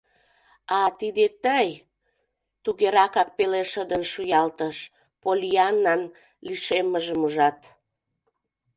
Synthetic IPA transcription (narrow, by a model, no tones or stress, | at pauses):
ɑt̪id̪et̪əj | t̪uɣeɾɑkɑk̚peleʃəd̪ənʃujɑlt̪əʃ | polʲiɑnːɑn | liʃeməʒəmuʒɑt̪